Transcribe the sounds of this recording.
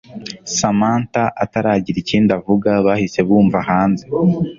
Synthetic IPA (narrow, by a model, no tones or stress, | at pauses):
samaːntaʔataɾaːɟiɾiciːndavuɡaβahise̞βuːɱvahaːnze